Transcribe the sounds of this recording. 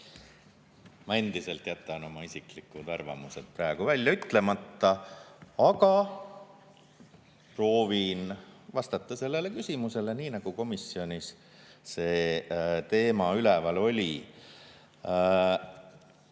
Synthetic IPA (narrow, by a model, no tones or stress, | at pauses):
mɑe̞nd̪̥ise̞lt̪jæt̪ːˑɑno̞mɑisiklikːˑud̪̥ɑrvɑ̰muse̞d̪̥prɑeɡ̥uvælʲjɑyt̪ːˑle̞mɑt̪ːɑɑɡɑ | pro̞ːvinvɑst̪ɑt̪ːˑɑse̞lːe̞le̞kysʲimuse̞leniːnɑɡ̥uko̞misːio̞nʲis | se̞ːt̪e̞ːmɑylevɑlo̞lʲi